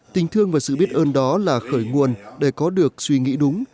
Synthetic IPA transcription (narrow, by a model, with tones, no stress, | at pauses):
t̪ï˨˩ŋ̟t̪ʰɨ˧əŋvaː˨˩sɨ̰˧˨ɓi˦˥ət̚ʔəː˧nɗɔ˨˦laː˨˩xəː˧˩jŋu˨˩ənɗe˧˩kɔ˨˦ɗɨ˨˩ək̚swi˧ŋḭ˧˥ɗʊ˨˦ŋ͡m